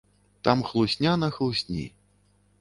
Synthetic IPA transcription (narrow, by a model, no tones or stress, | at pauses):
t̪amxlˠusʲnʲanɐxlˠusʲnʲḭ